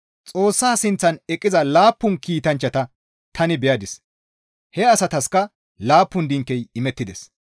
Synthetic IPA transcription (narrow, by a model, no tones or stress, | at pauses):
t͡sʼo̞ːsːaːsɪnt͡sːɐnɛkʼːɪzɐlaːpːʊnkiːt̪ɐnt͡ʃːɐt̪ɐ | t̪ʰɐnɪbɛjɐd̪ɪs | hɛɐsɐt̪ɐskɐ | laːpːʊnd̪ɪŋkːɛjɪmɛt̪ːɪd̪ɛs